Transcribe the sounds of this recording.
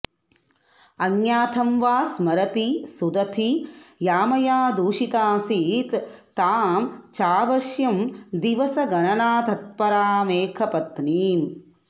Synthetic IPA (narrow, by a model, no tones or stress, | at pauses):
ɐŋjaːt̪ʰɐmʋaːsmɐɾɐt̪isud̪ɐt̪ʰijaːmɐjaːd̪uːʃit̪aːsit̪ː | aːmt͡ʃaːʋɐʃjɐmd̪iʋɐsɐɡɐnɐnaːt̪ɐt̪̚pɐɾaːmeːkʰɐpɐt̪niːm